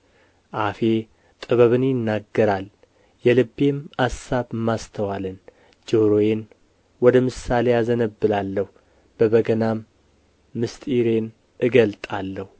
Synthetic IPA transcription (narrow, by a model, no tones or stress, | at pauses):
ʔafe̞ | t̪ʼɨβəβɨnjɪnːaɡːəɾal | jɛlɨbːe̞masaβɨmːast̪ʰəwalɨn | d͡ʒoɾoje̞n | wɔd̪əmɨsale̞jazənəbːɨlalːəh | b̥əβəɡənamː | ɨst̪ʼiɾe̞n | ʔɨɡəlt̪ʼalːəhu